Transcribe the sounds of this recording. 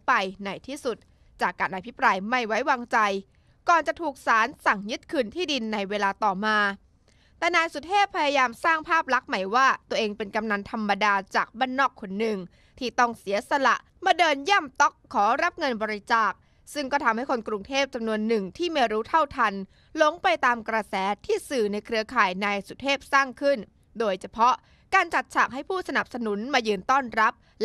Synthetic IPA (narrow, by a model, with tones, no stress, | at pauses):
pa˧jna˨˩jt̪ʰiː˥˩su˨˩t̪̚ | t͡ɕaː˨˩kːaː˧nʔa˧˩pʰi˦˥pɾaː˧jma˥˩jwa˦˥jwaː˧ŋt͡ɕa˧j | kɔː˨˩nt͡ɕa˨˩t̪ʰuː˨˩k̚saː˩˦nsa˨˩ŋjɯ˦˥t̪̚kʰɯː˧nt̪ʰiː˥˩di˧nːa˧jweː˧laː˧t̪ɔː˨˩maː˧ | t̪ɛː˨˩naː˧jsu˨˩t̪̚heː˥˩p̚pʰːa˧jaː˧jaː˧msaː˥˩ŋpʰaː˥˩p̚la˦˥k̚ma˩˦jwaː˥˩t̪u˧əʔeː˧ŋpe˧nka˧mna˧nt̪ʰa˧mːa˧daː˧t͡ɕaː˨˩k̚baː˥˩nːɔː˥˩kʰːo˧nːɯ˨˩ŋ | t̪ʰiː˥˩t̪ɔ˥˩ŋsi˩˦ɐsa˧la̰˨˩ʔ | maː˧dɤː˧nja˥˩mt̪ɔ˦˥kʰːɔː˩˦ɾa˦˥p̚ŋɤ˧nbɔː˧ɾi˦˥t͡ɕaː˨˩k̚ | sɯ˥˩ŋkɔː˥˩t̪ʰa˧mha˥˩jkʰo˧nkɾu˧ŋt̪ʰeː˥˩p̚t͡ɕa˧mnu˧ənːɯ˨˩ŋt̪ʰiː˥˩me˧ɾuː˦˥t̪ʰa˥˩wt̪ʰa˧n | lo˨˦˥ŋpa˧jt̪aː˧mkɾa˧sɛː˩˦t̪ʰiː˥˩sɯː˨˩na˧jkʰɾɯ˧ɐkʰaː˨˩jnaː˧jsu˨˩t̪̚heː˥˩p̚saː˥˩ŋkʰɯ˥˩n | doː˧jt͡ɕʰa˧pʰɔ˦˥ʔ | kaː˧nt͡ɕa˨˩t̪̚t͡ɕʰaː˨˩k̚ɦa˥˩jpʰuː˥˩sa˧na˨˩p̚sa˧nu˩˦nmaː˧jɯː˧nt̪ɔː˥˩nɾa˦˥p̚